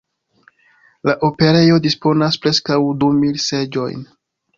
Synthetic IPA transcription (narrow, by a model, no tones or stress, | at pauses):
laʔo̞pe̞ɾe̞jo̞dispo̞naspɾe̞skawdumilse̞d͡ʒo̞̰jn